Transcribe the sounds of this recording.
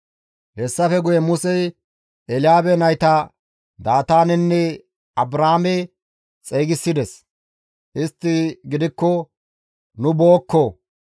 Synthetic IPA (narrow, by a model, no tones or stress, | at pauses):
hɛsːɐfɛɡʊjɛmʊsɛj | ʔɛlɪjaːbɛnɐjt̪ɐ | d̪aːt̪aːnɛnːɛ | ɐbɾaːmɛ | t͡sʼeːɡɪsːɪd̪ɛs | ʔɪst̪ːɪɡɪd̪ɪkːɔ | nʊboːkːo